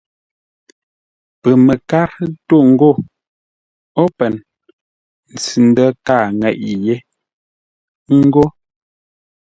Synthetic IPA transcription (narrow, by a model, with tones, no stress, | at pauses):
pə˨me˨ka˦ɾto˦˨ŋ̩˦ɡo˦˨ | ɔ˦pɛ˨n | n̩˨t͡si˨n̩˦də˦ka˦˨ŋɛ˨ʔi˨je˦ | ŋ̩˦ɡo˦